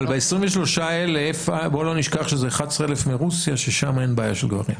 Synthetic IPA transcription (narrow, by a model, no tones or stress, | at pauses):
lbeesʁimveʃlo̞ʃaelefaboloniʃkaχʃezeχat͡sʁelefmeʁusjaʃeʃamaenbaːjaʃelɡva̰ʁḭm